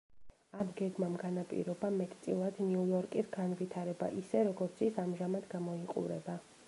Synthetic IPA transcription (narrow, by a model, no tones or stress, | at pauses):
amɡɛɡmamɡanapʼḭɾɔbamɛt̪ʰʼt̪sʼilˠad̪̥niujɔɾkʼisɡanvit̪ʰaɾɛba̰ʔisɛɾɔɡɔɾt̪sʰisamʒamad̪ɡamɔiqʼṵɾɛba